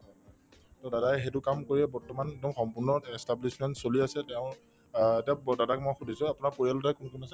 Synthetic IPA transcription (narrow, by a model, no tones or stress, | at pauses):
ɦɔ | tɔdadajxetʊkamkoɹiɛbɔɹtɔmaneɡ̚dɔmxɔmpuɹnɔɛstablismɛntsoliasɛtɛʊ̃ | tadadakmojxudʱisʊ̃apʊnaɹpoɹijalɔtajkunkunasɛ